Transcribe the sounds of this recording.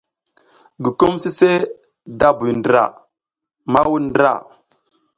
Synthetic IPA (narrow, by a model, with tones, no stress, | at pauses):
ɡi˨ku˦msi˦se˦ | da˦bu˨jndɾa̰˨ | ma˦wu˦ndɾa̰˨